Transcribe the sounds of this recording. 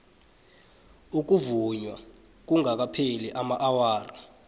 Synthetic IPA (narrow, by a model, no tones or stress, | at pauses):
uk̬uvuɲwa | k̬uŋak̬apʰeliʔamaʔawaːra